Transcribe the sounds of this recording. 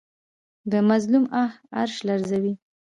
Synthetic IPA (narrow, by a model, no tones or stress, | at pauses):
d̪əmazlumaha̰ɾʃlaɾzawi